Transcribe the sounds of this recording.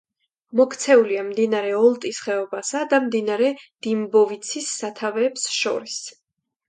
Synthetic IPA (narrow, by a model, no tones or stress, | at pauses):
mɔkʰt̪sʰɛuliamd̪inaɾɛɔlˠt̪ʼisχɛɔbasad̪amd̪inaɾɛd̪̥imbɔvit̪sʰisːat̪ʰavɛːpsʃɔ̰ɾis